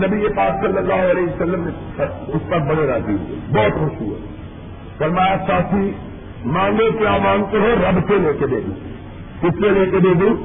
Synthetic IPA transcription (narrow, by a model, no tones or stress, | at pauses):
nɐbiepaːksɐlːəlːaːɦoɐleːɦisɐlːəmneɐʊspɐɾbɐɽeɾaːd͡ʒiɦṵḛbɔːt̪kʊʃuːɛ̰ | fɐɾmaːjasaːt̪ʰi | mãːŋɡoteaːʋaːnk̪oɦoɾɐbseleːked̪ḛːd̪ũː | kʊt͡ʃʰseleːked̪eːd̪ũː